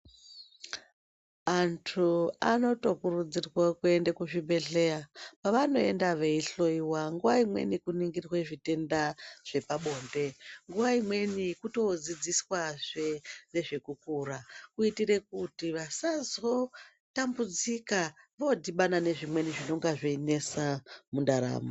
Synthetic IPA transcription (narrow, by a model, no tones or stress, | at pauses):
antʰuano̞to̞kurud͡zirwakue̞ndekuʐibʱe̞ɮe̞japaʋano̞e̞ndaʋe̞iɬo̞iwaŋɡuʋaimwe̞̰nikuniŋɡirweʐite̞ndaʐ̥e̞paɓo̞ːnde̞ŋɡuʋaimwe̞nikuto̞d͡zid͡ziswaʐene̞ʐe̞kukuɾakuitiɾe̞k̚utiʋasazo̞ | tambud͡zikaʋodiɓanane̞ʐimwe̞niʐino̞ŋɡaʐeine̞samundaɾa̰ːmo